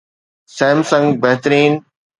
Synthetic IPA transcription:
sɛ̃ːmsə̃ŋɡbɛɦt̪ɾiːn

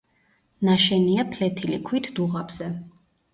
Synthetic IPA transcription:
naʃɛniapʰlɛt̪ʰilikʰwit̪ʰd̪̥uʁabz̥ɛ

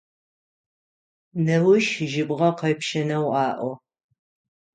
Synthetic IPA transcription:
nɐwʊʃʒɪbʁɐqɐjpʃɐnɐwʔɑːʔʷɔ

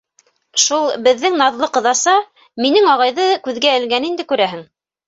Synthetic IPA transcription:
ʃulˠbɘ̆ðːɘŋnɑðlˠɤqɤ̆ðɑsɑ | minɘŋɑʁɑjðɤkʉðɡæɘ̆lɡænind̪ɘkʉɾæɦɘŋ

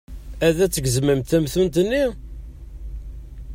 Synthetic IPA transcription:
æðæt͡sːəɡzməmt̪θæmθənt̪ənːi

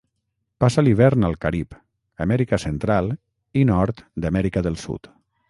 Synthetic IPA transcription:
pasaliβ̞ɛɾnalˠkaɾip | əmɛɾikəsənt̪ɾalˠ | inɔɾt̪d̪amɛɾikəðəlˠsṵt̪

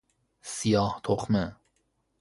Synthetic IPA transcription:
sijɑːht̪ʰoχmə

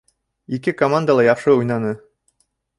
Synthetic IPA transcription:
ikɘkomand̪əlˠɑjɑqʃɤujnɑnɤ

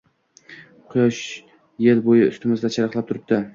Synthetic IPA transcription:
qʰʊjɒʃ | jelbojɪʊ̰st̪ɪmɪzd̪at͡ʃʰaɾɑqlˠap̚t̪ʰʊɾɪp̚d̪̥ɪ

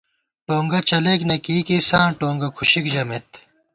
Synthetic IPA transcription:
ʈoːŋɡɐt͡ɕɐleːknɐkiːkisãːʈoːŋɡɐkʰuɕikd͡ʑɐmet̪

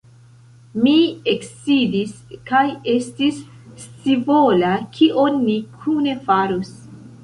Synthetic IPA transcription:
mieksidiskaje̞stis | t͡sivolakʰiʔonːikʰune̞faɾus

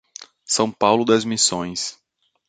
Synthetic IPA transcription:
sɐ̃w̃pawlʊd̪ɐzmisõj̃s

